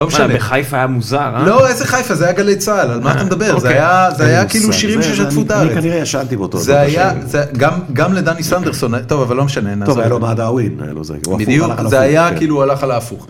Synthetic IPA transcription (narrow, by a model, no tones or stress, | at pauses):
lomeʃanneeχajfajamuzaʁlo̞ezeχajfazeajaɡalet͡sʁaelalmaat̪amed̪abeʁzeajazeajakiiːluʃiʁimʃeʃat̪fut̪aaʁekaniʁejaʃant̪ibeot̪ozeajjazeɡamɡamled̪anisand̪eʁso̞nt̪o̞vavalːomeʃanenaoalomad̪awinḛlo̰zḛiijuzeajakiːlualaχalaːfuχ